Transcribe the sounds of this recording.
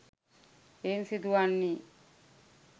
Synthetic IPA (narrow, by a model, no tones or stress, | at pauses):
ensid̪uʋanːi